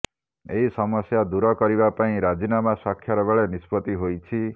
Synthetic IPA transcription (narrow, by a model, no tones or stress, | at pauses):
ḛisɔmɔsjad̪uɾɔkɔɾibapaĩɾad͡ʒinamasakʰjɔɾɔbeɭenispɔt̪iɦojt͡ʃʰi